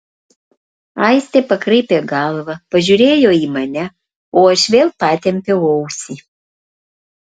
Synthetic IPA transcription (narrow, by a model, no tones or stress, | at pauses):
ɐɪsʲt̪ʲeːpɐkɾɐɪpʲeːɡɑlˠʋɐpɐʒʲuɾʲeːjoːiːmɐnʲɛ | oːɐʃʋʲeːlˠpɑːt̪ʲɛmʲpʲɛʊɐʊsʲiː